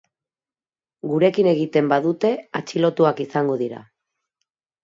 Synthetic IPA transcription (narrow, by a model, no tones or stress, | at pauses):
ɡuɾe̞kine̞ɣ̞it̪e̞mbaðut̪e̞at͡ʃilo̞t̪uakisaŋɡo̞ðiɾa̰